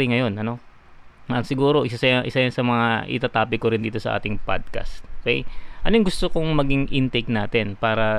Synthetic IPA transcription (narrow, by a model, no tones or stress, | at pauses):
ɪŋɐjo̞nʔɐno̞ | ɐŋsɪɡuːɾo̞ʔɪs̬asɐjŋʔɪsajɐnsɐmɐŋaʔɪ̰t̪at̪aːpɪkoɾɪnd̪iːt̪o̞sɐ̰ʔa̰ːt̪ɪŋpa̰d̪̚kɐ̰st̪̚ʔookɛ̰jʔɐnojɐŋɡʊst̪okoŋmɐɡɪŋʔɪnt̪ejk̚naːt̪ɛnpaːɾɐ